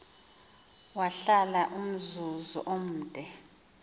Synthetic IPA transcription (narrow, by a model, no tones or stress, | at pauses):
waɬalaʔum̩zuzṵʔom̩ːd̥ʼʱɛ